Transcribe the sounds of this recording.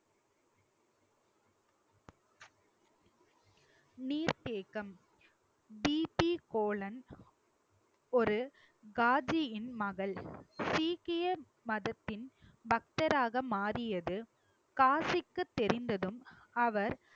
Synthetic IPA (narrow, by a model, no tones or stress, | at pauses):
niːɾt̪eːɣɐm | biːpikoːɭɐn | ɔɾɯ | ɡaːd͡ʒɪjɪnmɐɣɐɭsiːkɪjɐ | mɐðɐt̪ːɪnbɐk̚t̪ɐɾaːɣɐmaːrɪjɐðɯ | kaːsɪkːɯt̪ːɛɾɪnd̪ɐðɯm | ɐʋɐɾ